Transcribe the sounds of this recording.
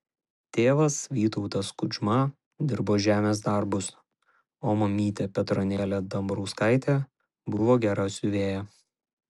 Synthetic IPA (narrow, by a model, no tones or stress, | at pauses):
t̪ʲeːʋɐsʋʲiːt̪ɔʊt̪ɐskʊd͡ʒʲmɐ | d̪ʲɪɾboːʒʲæːmʲeːsd̪ɐɾbʊs | oːmɐmʲiːt̪ʲeːpʲɛt̪ɾɔnʲeːlʲɛd̪ɐmbɾɔʊskɐˑɪt̪ʲe | bʊʋoːɡʲæɾɐsʲʊʋʲeːjɛ